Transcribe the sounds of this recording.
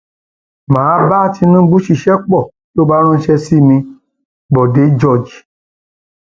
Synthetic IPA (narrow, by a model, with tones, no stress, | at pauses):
mãː˨˦ba˦˨ti˧nũ˦ɡ͡bu˦ʃi˧˨ʃɛ˦k͡pɔ˦˨ | to˦ba˦ɾ̃ã˦ʃɛ˧si˦mĩ˧ | bɔ˨de˨˦d͡ʒɔ˦˨d͡ʒ